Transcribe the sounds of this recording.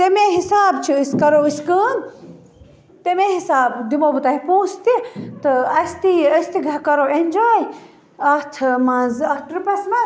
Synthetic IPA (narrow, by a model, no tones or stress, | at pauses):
t̪emeɦisaːbt͡ʃʰiiskɐɾoːiskəːn | t̪emeɦisaːbd̪imobɨt̪ɐɦipoːst̪it̪ɨɐst̪iɐsʲt̪iɡʱɐkɐɾoenʲd͡ʒaːj | ɐt̪ʰmɐnzɐht̪ʰɾupʲɐsmɐ